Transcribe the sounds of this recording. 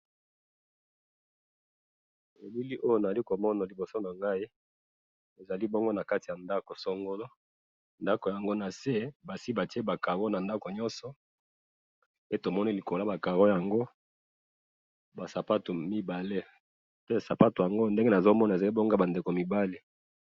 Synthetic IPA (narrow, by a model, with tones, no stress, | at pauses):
e˨bi˦li˦ʔo˦jo˨na˨za˨li˦ko˨mɔ˦na˨li˨bo˨so˦na˨ŋɡa˦i˦ | e˨za˨li˦bo˦ŋɡo˦na˨ka˦ti˨ja˨nda˦ko˨sɔ˦ŋɡo˦lo˦ | nda˦ko˨ja˨ŋɡo˦na˨se˦ba˨si˦ba˨ti˦e˦ba˨ka˨ɣo˦na˨nda˦ko˨ɲɔ˦nsɔ˨ | e˦to˨mɔ˦ni˦li˨ko˨la˦ba˨ka˨ɣo˦ja˨ŋɡo˦ | ba˨sa˨pa˦to˨mi˦ba˨le˦ | pe˦sa˨pa˦to˨ja˨ŋɡo˦nde˦ŋɡe˦na˨zo˦mɔ˦na˨e˨za˨li˦bo˦ŋɡa˦ba˨nde˨ko˨mi˨ba˦le˦